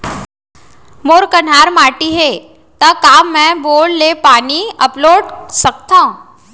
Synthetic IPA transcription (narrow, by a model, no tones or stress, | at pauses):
moːɾkən̤aːɾmaːʈiɦe | t̪ɐkaːmːɛ̃boːɽlepaːniɐploːɖsək̚t̪ã